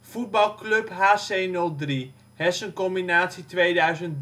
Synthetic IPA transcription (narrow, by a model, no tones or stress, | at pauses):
fud̚bɑlˠklɵpɦaːsejnɵlˠdri | hɛsənkɔmbinaːtsitʋejdœɥzən